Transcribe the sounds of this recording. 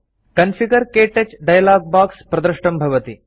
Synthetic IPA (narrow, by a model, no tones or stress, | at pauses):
kɐnsiɡɐɾkeːʈet͡ʃɖɐjlaːɡ̚baːkspɾɐd̪ɾɐʂʈɐmbʱɐʋɐt̪i